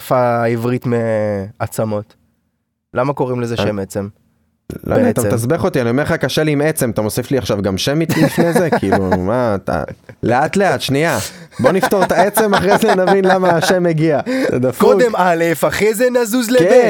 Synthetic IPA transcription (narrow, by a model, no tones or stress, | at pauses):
faivʁit̪meat͡samo̞t̪ | lamako̞ʁimlezeʃemet͡sem | lo̰neat̪amt̪asbeχo̞t̪ianiomeχakaʃeliːmet͡se̞mat̪amo̞sifliaχʃavɡamʃemit̪ifnezekilumat̪a̰le̞at̪le̞at̪ʃnia | bo̞nift̪o̞ʁt̪aet͡se̞maχʁejzenavvinlamaːʃemːeɡiazḛd̪afkouk̪demalefaχezenazuzlekee